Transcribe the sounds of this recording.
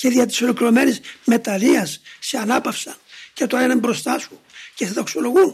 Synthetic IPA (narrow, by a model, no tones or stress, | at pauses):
ce̞ðiɐt̪i̥solikɾo̞me̞nizme̞t̪ɐliɐsːeɐnɐpɐfsɐncet̪oenɐmbɾo̞st̪ɐsu | ceseðokso̞lo̞ɣun